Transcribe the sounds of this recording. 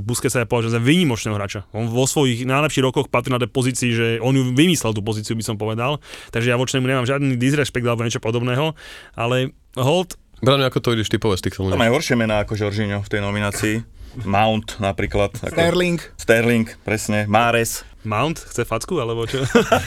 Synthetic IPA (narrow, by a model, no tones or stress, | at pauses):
buskɛsajapɔʋaʒɛmzaʋiːɲimɔt͡ʃnɛːɦɔɦɾaːt͡ʃaɔnʋɔsʋɔjiɣnajlɛpʃiːɣɾɔkɔxpat̪ɾinat̪̬ɛjpɔziːt͡siːʒɛʔɔnjuʋimislɛlt̪upɔziːt͡siubisɔmpɔʋɛd̪alt̪aɡʒɛjaʋɔt͡ʃnɛmuɲɛmaːmʒɪad̪nid̪izɾɛʃpɛɡ̚d̪alɛbɔɲɛt͡ʃɔpɔd̪ɔbnɛːɦɔʔalɛ | ɦɔlˠt̪ | bɾaɲuakɔt̪ɔʋiɟiʃt̪ipɔʋɛst̪iːxfɛluamaaɦɔɾʃɪɛmɛnaakɔʒɔɾʒiɲɔft̪ɛjnɔminaːt͡siːmawnt̪napɾiːklat̪a̰k̪ɛɾliŋkst̪ɛɾliŋkpɾɛsɲɛmaːɾɛs | maʊnt̪xt͡sɛfat͡skualɛbɔt͡ʃɔ